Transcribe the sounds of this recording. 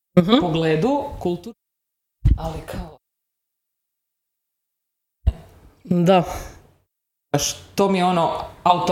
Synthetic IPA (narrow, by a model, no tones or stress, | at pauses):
ɦpoɡleːd̪ukulˠt̪u | alikʰao | d̪a | ʃt̪omijeonoawt̪o